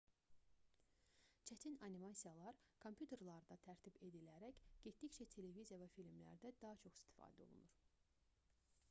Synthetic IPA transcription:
t͡ʃʰæt̪ʰinɑnimɑsijɑlˠɑɾkʰompʰjut̪ʰe̞ɾlˠɑɾd̪ɑt̪ʰæɾt̪ʰibe̞d̪ilæɾæçɟ̥et̪̚d̪içt͡ʃæt̪ʰe̞le̞vizijɑvæfilmlæ̰ɾd̪æd̪ɑɦɑt͡ʃʰo̞χi̥st̪ʰi̥fɑ̰ːd̪æo̞̰lˠṵnuɾ̥

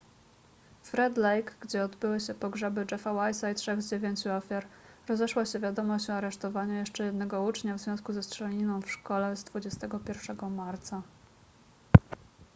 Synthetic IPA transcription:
fɾɛd̪lɛjkɡd͡ʑɛɔd̪bɘwɘɕɛpɔɡʐɛbɘd͡ʐɛfawajsajtʂɛɣzd͡ʑevʲjeɲt͡ɕuɔfʲjaɾɾɔzɛʂwaɕɛvʲjad̪ɔmɔɕt͡ɕɔaɾɛʂt̪ɔvaɲajɛʂt͡ʂɛjɛd̪nɛɡɔut͡ʂɲavzvʲjɔ̃w̃skuzɛstʂɛlʲinɔ̃w̃fʂkɔlɛzd̪vud͡ʑɛst̪ɛɡɔpʲjɛɾfʂɛɡɔmaɾt̪sa

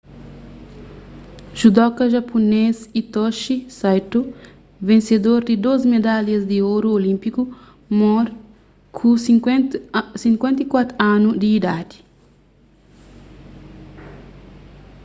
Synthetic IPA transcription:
ʒ̥ud̪ɔkɐʒapunesit̪ɔʃisajt̪u | vẽnsed̪oɾd̪id̪ozmed̪aljɐzd̪ioɾuolĩmpiku | mɔɾ | kʰu | sĩŋkwẽnt̪ikwat̪ɾanud̪iːd̪ad̪i̥

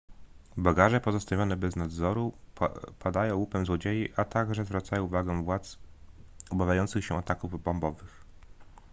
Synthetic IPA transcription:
baɡaʐɛpɔzɔst̪avʲjɔnɛbɛznad̪zɔɾu | pad̪ajɔ̃w̃wupɛmzwɔd͡ʑejiʔat̪aɡʐɛzvɾat̪sajɔ̃w̃uvaɡɛ̃vwat̪s | ɔbavʲjajɔnt̪sɘxɕɛat̪akuvbɔmbɔvɘx

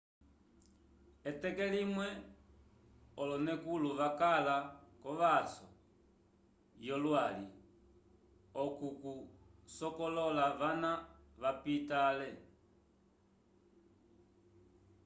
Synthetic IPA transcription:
ɛtɛkɛlimwɛ | ɔlɔnɛkuluʋakalakɔʋasɔ̰ | jɔlwali | ɔkukusɔkɔlɔlaʋanaʋapitalɛ

